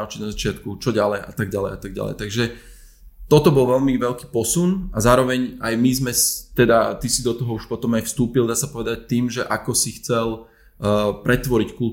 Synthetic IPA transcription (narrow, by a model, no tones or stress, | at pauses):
ʊt͡ʃiɟnazat͡ʃɪat̪kut͡ʃɔɟalɛjʔa̰t̪aɡ̚ɟalɛjat̪aɡ̚ɟa̰lɛ̰jt̪aɡʒɛ | t̪ɔt̪ɔbɔlʋɛʎmiʋɛʎki̥ːpɔsunazaːɾɔʋɛɲajmizmɛst̪ɛd̪at̪isid̪ɔt̪ɔɦɔuʃpɔt̪ɔmajfst̪uːpild̪aːsapɔʋɛd̪ac̚t̪iːmʒɛʔakɔsixt͡sɛl | pɾɛt̪ʋɔɾickul